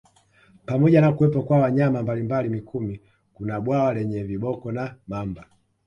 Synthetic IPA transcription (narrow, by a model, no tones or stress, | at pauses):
pamɔɟanakuwɛpɔkwawaɲamambalimbalimikʰumi | kunaɓwawalɛɲɛviɓɔkɔnamamba